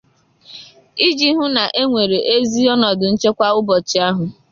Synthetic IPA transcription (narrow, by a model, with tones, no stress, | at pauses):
i˦d͡ʒi˦ɦʊ˦na˨ʔe˦ŋʷe˨ɾe˨ʔe˦zi˦ɔ˦nɔ˨dʊ˨n̩˦t͡ʃe˦kʷa˦ʊ˦bɔ˨t͡ʃɪ˨a˦ɦʊ˨